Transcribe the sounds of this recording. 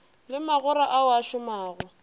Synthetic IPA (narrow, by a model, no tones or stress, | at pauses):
lɪmaɣʊɾaʔaʊaʃʊmaːɣʊ